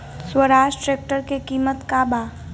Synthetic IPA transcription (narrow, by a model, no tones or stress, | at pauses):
swəɾaːʃʈʈɾeːk̚ʈəɾkekiːmət̪kaːbaː